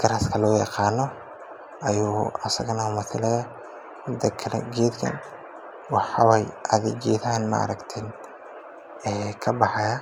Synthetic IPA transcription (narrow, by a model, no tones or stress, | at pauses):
ɡ̥ɐɾɐskʰɐlɔːjɑ̰qɑːnɔ | ɐjuːɐsɐɣɐnɐʊmʊθɪlɛjɐ | hʊd̪ɐkʰɐlɛ̰ɡeːd̪kʰɐ̰n | wɑħɑwɛjʔɐðɪɡeːðɐɦɐnmɐ̰ʔɐ̰ɾɐkt̪ʰɛn | ɛːkʰɐbɑħɑjɐ